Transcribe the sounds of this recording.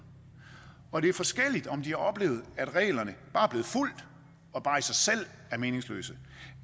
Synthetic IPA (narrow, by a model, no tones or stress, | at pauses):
ɒ̽d̥e̝æɐfɒ̽sɡ̥el̰id̥ɒ̽md̥iæɒ̽b̥le̝̰ːʊð̩ˠæd̥ʁɛ̰ːlɐnəb̥ɑ̈ːb̥le̝ːð̩ˠful̰d̥ | ɒ̽b̥ɑ̈ːisɑ̈ɪsel̰ | æɐme̝ːne̝ŋslø̰ːsə